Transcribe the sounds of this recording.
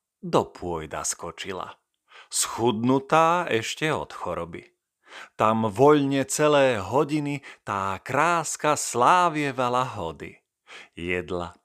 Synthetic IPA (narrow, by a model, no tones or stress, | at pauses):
d̪ɔpʊɔjd̪a̰skɔt͡ʃila̰ | sxud̪nut̪aːɛʃcɛɔ̰t̪xɔɾɔbḭ | t̪amʋɔʎɲɛt͡sɛlɛːɦɔɟinit̪aːkɾaːskaslaːʋɪɛʋalaɦɔd̪ḭ | jɛd̪la̰